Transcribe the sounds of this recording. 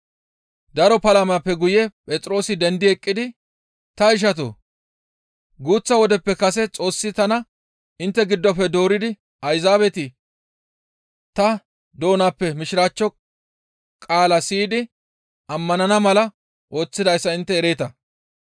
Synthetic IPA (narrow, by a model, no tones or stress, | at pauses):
d̪ɐɾɔpɐlɐmaːpːɛɡʊjɛpʼɛt͡sʼɾo̞ːsɪd̪ɛnd̪ɪɛkʼːɪd̪ɪ | t̪ɐɪʃ̬ɐt̪̬o̰ː | ɡuːt͡sːɐwɔd̪ɛpːɛkɐsɛt͡sʼo̞ːsːɪt̪ɐnɐ | ɪnt̪ːɛɡɪd̪ːɔpːɛd̪o̞ːɾɪd̪ɪ | ɐjzaːβɛt̪ɪ | t̪ɐ | d̪o̞ːnaːpːɛmɪʃɪɾaːt͡ʃːɔ | kʼaːlɐsiːd̪ɪ | ʔɐmːɐnɐnɐmɐlɐ | ʔo̞ːt͡sːɪd̪ɐjsːɐɪnt̪ːɛːɾe̞ːt̪ɐ